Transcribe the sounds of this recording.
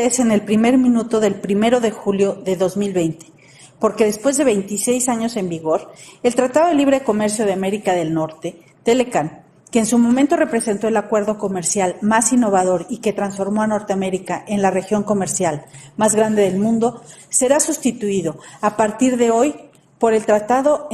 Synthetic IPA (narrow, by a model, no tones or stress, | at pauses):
ese̞ne̞lpɾime̞ɾmĩnut̪o̞ðe̞lpɾime̞ɾo̞ðe̞xuljo̞ðe̞ðo̞zmilβe̞jnt̪e̥ | po̞ɾke̞ðe̞spwe̞zðe̞βejnt̪ise̞jsaɲo̞se̞mbiɣo̞ɾelt̪ɾat̪aðoðeliβ̞ɾe̞ko̞me̞ɾsjoðeame̞ɾikaðe̞lno̞ɾt̪e̞ | t̪e̞le̞kan | keːnsumo̞ment̪o̞re̞pɾe̞se̞nt̪o̞e̞lakwe̞ɾðo̞ko̞me̞ɾsjalmasinːo̞βað̞o̞ɾike̞t̪ɾansfo̞ɾmo̞ano̞ɾt̪eame̞ɾikaʔe̞nlare̞xjo̞ŋko̞me̞ɾsjalmazɣɾand̪e̞ðe̞lmũnd̪ose̞ɾasust̪it̪uiðo̞apaɾt̪iɾðe̞o̞j | po̞ɾe̞lt̪ɾat̪aðo̞